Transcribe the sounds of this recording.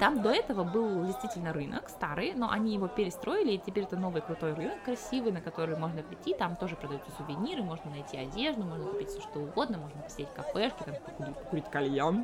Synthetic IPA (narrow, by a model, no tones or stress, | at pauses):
t̪amd̪o̞ɛt̪əvəbɨlˠdʲɪjst̪vʲitʲɪlʲnəɾɨnʔə̰kst̪aɾɨjno̞̰ʔɐnʲijɪvo̞pʲɪɾʲɪst̪ɾʔo̞ɪlʲɪːtʲɪpʲeɾʲɛt̪əno̞vɨjkɾʊt̪o̞jrɨnəkːɾɐsʲivɨjnəkɐt̪o̞ɾɨjmo̞ʐnəpɾʲɪtʲːit̪amt̪o̞ʐɨpɾəd̪ɐjut̪səsʊvʲɪnʲiɾɨmo̞ʐnənɐjtʲiɐdʲe̞ʐd̪ʊmo̞ʐnəkʊ̥pʲitʲfsʲoʂt̪oʊɡo̞d̪nəmo̞ʐnəpə̥sʲɪɾʲetʲkɐfɛʂkʲɪt̪ampəkʊɾʲipəkʊɾʲitʲkɐlʲjon